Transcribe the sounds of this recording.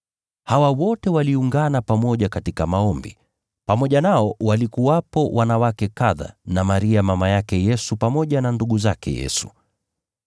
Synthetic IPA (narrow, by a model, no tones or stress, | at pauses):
hawawɔtɛwaliuŋɡanapamɔʄakatikamaɔmbḭ | pamɔʄanaɔwalikuwapɔwʔanawakɛkaða̰namaɾiamamajakɛjɛsupamɔʄananduɠuzakɛ̰jɛ̰su̥̰